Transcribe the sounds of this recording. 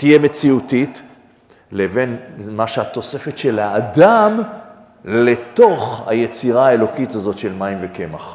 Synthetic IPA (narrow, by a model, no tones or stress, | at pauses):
t̪ijeme̞t͡siutit | leve̞nmaʃehat̪o̞se̞fetʃe̞lhaːdam | let̪o̞χha̰jet͡siʁaːelo̞kitazo̞tʃe̞lmaimveke̞ma̰χ